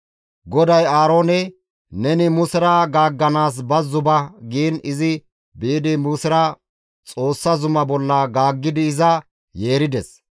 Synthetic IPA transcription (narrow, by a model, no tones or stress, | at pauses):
ɡɔd̪ɐjaːɾo̞ːnɛ | nɛnɪmʊsɪɾɐɡaːɡːɐnaːs̬bɐzːʊbɐɡiːnɪzɪ | biːd̪ɪmʊsɪɾɐ | t͡sʼo̞ːsːɐzʊmɐbɔlːɐɡaːɡːɪd̪ɪːzɐ | je̞ːɾɪd̪ɛs